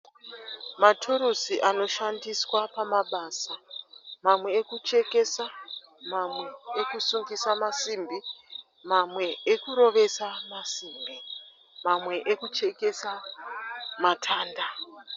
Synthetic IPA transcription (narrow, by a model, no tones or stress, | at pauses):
matʰuɾusiʔano̞ʃandiswapamaɓasamamwe̞ːkut͡ʃe̞ke̞sa | mamwe̞ːkusuŋɡisamasimbi | mamwe̞ekuɾo̞ʋe̞samasiːmbi | mamwe̞ʔekut͡ʃe̞ke̞sa | matʰaːnda